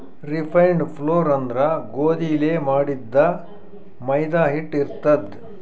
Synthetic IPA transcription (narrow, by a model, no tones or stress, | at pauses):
ɾipʰɐjɳɖpʰloːɾɐnd̪ɾɐɡoːd̪iːleːmaːɽid̪ːɐ | mɐjd̪aːɦiʈːiɾt̪ɐd̪